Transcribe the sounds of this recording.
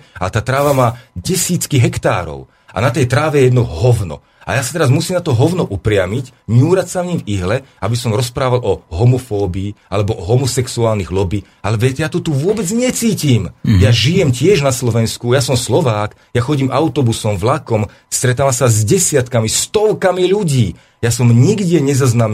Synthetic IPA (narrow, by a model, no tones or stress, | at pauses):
at̪aːt̪ɾaːʋamaːɟɛsiːt͡skiɦɛkt̪a̰ːɾɔ̰ʊ | a̰nat̪ɛjt̪ɾaːʋɛjɛjɛd̪nɔɦɔʊnɔ̰ | a̰jasat̪ɛɾazmusiːmnat̪ɔɦɔʊnɔʔupɾɪamicɲuːɾacsamɲimviɦlɛʔabisɔmɾɔspɾaːʋalʔɔɦɔmɔfɔːbiːalɛbɔʔɔɦɔmɔsɛksuaːlniɣlɔbiː | alɛʋɛcɛjaːt̪ɔt̪uʋʊɔbɛd͡zɲɛt͡siːciːmjaʒijɛmcɪɛʒnaslɔʋɛnskujasɔmslɔʋaːk | jaxɔɟiːmʔaʊt̪ɔbusɔmvlakɔm | st̪ɾɛt̪aːʋamsazɟɛsɪat̪kamist̪ɔlkamiʎuɟiː | jasɔmɲiɡdɪɛɲɛzaznam